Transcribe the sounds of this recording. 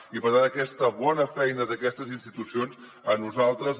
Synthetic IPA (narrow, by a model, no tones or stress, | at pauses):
ipəðaəkɛst̪əβɔnəfɛjnəðəkɛst̪əzinst̪it̪usionz | ənuzalˠt̪ɾəz